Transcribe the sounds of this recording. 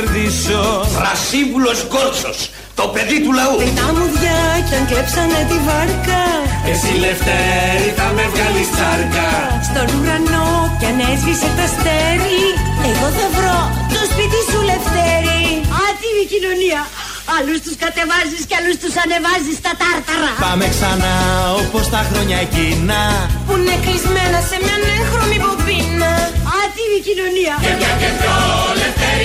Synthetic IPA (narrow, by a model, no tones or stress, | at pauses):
ɾðisofɾɐsiɱvulozɣoɾt͡sos | t̪opeðit̪ulɐuet̪ɐmuðʝɐcɐŋɡlepsɐnet̪ivɐɾkɐesileft̪eɾit̪ɐmevalist͡sɐɾkɐ | st̪onuɾɐnocɐnezviset̪ɐst̪eɾiekoθɐvɾot̪ospit̪isuleft̪eɾiɐt̪ivicinoniɐ | ɐlust̪uskɐt̪e̞vɐzisceɐlust̪usɐne̞vɐzist̪ɐt̪ɐɾt̪ɐɾɐpɐmeksɐnɐopost̪ɐxɾoɲɐcinɐpuineklizme̞nɐse̞mɲɐneŋxɾomipopinːɐɐt̪ivicinoniɐɐetolef